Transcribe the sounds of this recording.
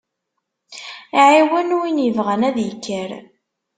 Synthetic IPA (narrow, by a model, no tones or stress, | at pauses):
ʕiwənuinjəvʁənæðjəkʰːəɾ